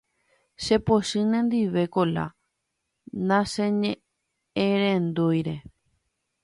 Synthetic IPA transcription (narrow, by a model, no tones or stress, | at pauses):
ʃe̞poʃɨ̃nẽ̞nd̪iʋe̞kola̰ | nãʃẽɲẽ | eɾẽnd̪ujɾe̞